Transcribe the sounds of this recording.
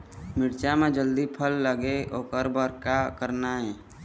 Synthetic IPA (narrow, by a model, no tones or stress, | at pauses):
mɪɽt͡ʃamẽd͡ʒəld̪ipʰəlːəɡeoːkəɾbəɾkakəɾnaɦɛː